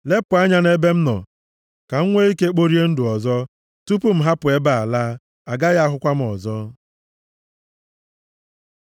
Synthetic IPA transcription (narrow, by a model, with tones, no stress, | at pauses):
le˦pʊ˨a˦ɲa˦ne˦be˦m̩˦nɔ̰˨ | ka˨ŋ̩˦ŋʷe˦i˦ke˦k͡po˦ɾi˦e˦n̩˦dʊ˨ɔ˨zɔ˦ | tu˦pu˦m̩˦ɦa˦pʊ˨e˦ba˨a˨laː˦ | a˨ɡa˦ɣa˦a˦ɦʊ˦kʷa˦m̩˦˨ɔ˨zɔ˦